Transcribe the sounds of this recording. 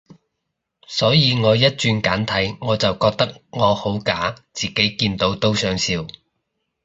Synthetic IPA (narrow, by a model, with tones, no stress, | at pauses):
sɔː˨˥jiː˨˧ŋɔː˨˧jɐ˥t̚t͡ʃyː˧nkaː˨˥nt̪ʰɐ˨˥jŋɔː˨˧t͡sɐ˨wkɔː˧k̚t̪ɐ˥k̚ŋɔː˨˧ho˨˥wkaː˨˥t͡siː˨ke˨˥jkiː˧nt̪o˨˥wt̪o˥wsœː˨˥ŋsiː˧w